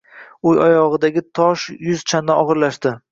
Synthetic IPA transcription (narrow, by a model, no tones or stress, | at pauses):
ʊjɒjɒʁɨd̪aɡʲɪt̪ʰɒʃjʊzt͡ʃʰand̪aɒʁɨɾlaʃt̪ɪ